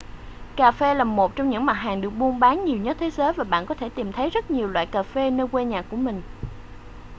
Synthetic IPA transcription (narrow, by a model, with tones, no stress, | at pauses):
kaː˨˧˩fe˧laː˨˩mo˨˩t̚t͡ɕɔ˧wŋ͡mɲɨ̰˧˥ŋma˨˩t̚ɦaː˨˩ŋɗɨ˨˩ək̚ɓmu˧ənɓaː˨˦nɲi˨˩əwɲə˦˥t̚t̪ʰe˨˦zəː˨˦jvaː˨˩ɓa̰ː˧˨nkɔ˨˦t̪ʰe˧˩t̪i˨˩mt̪ʰə˨˦jzə˦˥t̚ɲi˨˩əwlwa̰ː˧˨jkaː˨˩fe˧nə˧jkwe˧ɲaː˨˩kːu˧˩əmï˨˩ŋ̟